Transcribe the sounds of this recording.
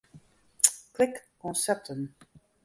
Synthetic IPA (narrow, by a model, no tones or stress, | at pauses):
kʰl̥ɪk | ɔ̃sɛp̚tʰə̃n